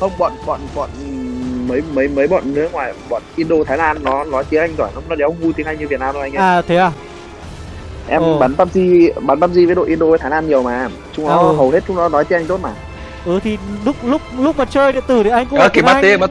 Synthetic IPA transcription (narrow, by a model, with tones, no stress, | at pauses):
xə˧wŋ͡mɓɔ̰˧˨nɓɔ̰˧˨nɓɔ̰˧˨nmə˨˦jmə˨˦jmə˨˦jɓɔ̰˧˨nːɨ˦˥əŋwaː˨˩jɓɔ̰ː˧˨nʔi˧ənɗo˧t̪ʰaː˨˦jlaː˧nːɔ˨˦nɔ˨˦jt̪i˨˦əŋʔa˧jŋzɔː˧˩jnɔ˨˦nɔ˨˦ɗe˨˦hə˧ŋ͡mvu˧jt̪i˨˦əŋha˧jŋɲɨ˧vi˨˩t̚naː˧mɗo˧˦a˧ŋ̟ʔaaː˧˨t̪ʰe˨˦aː˧˩ | ʔɛ˧mɓaː˨˦nt̪ə˧mzi˧ɓaː˨˦nt̪ə˧m̚zi˧vəː˨˦jɗo̰˧˨ʔi˧nɗo˧vt̪ʰaː˨˦laː˧nɲi˨˩əwmaː˨˩˨ | t͡ɕʊ˨˧˦ŋ͡mnɔ˨˦ɦə˨˩whe˦˥t̚t͡ɕʊ˨˦ŋ͡mnɔ˨˦nɔ˨˦jt͡ɕ̪i˨˦ʔa˧jŋ̟t̪o˦˥t̚maː˨˩ | ʔəː˨˩t̪ʰi˨˩lʊ˦˥k͡p̚lʊ˦˥k͡p̚lʊ˦˥k͡p̚maː˨˩t͡ɕəː˧jɗḭ˧˨t̪ɨ˨˧˩ɗḭ˨˧˨ʔa˧ŋ̟kʊ̰˧˥əː˨˩ki˨˧˩ɓaː˦i˨˦˧ɓa˦˥